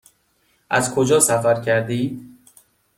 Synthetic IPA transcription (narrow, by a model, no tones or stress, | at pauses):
ʔæzkʰod͡ʒɒːsæfæɾkʰæɾd̪iːd̪